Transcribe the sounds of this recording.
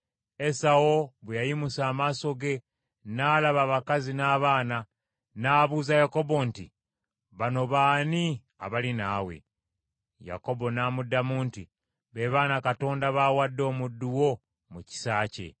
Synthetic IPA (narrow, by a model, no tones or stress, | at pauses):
e̞sao̞βejajimusaːmaso̞ɡe̞ | naːlaβaβakazinaːβaːna | naːβuːzajako̞bo̞nti | βano̞βaːni | a̰βalinaːwe̞̰ | ja̰ko̞bo̞naːmudːamuːnti | βe̞βaːnakato̞ːndaβawadːo̞ːmudːuwo̞ | muci̥saːce̞̰